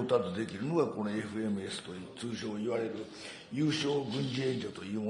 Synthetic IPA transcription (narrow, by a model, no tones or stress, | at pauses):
ot̪at͡sɨd̪e̞kʲiɾɯnoɡako̞no̞e̞ɸɯ̟e̞mɯe̞sɨ̥t̪o̞t͡sɨːɕo̞ːiβaɾe̞ɾɯ̟ | jɯːɕo̞ːɡɯ̟̃ɲd͡ʑiẽ̞ɲʲd͡ʑot̪o̞jɯːmo